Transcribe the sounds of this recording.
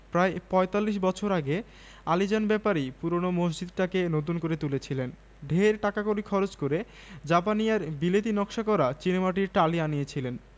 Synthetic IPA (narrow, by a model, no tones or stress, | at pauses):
pɾaepɔet̪alːiʃ̬bɔt͡ɕʰoɾaɡe | alid͡ʑanbɛpaɾipuɾonomosd͡ʑid̪̚ʈakenot̪̬unkoɾet̪ulet͡ɕʰilen | ɖʱeɾʈakakoɾikʰɔɾod͡ʑkoɾe | d͡ʑapanijaɾbilet̪inɔkʃakɔɾat͡ɕinemaʈiɾʈalianijet͡ɕʰilen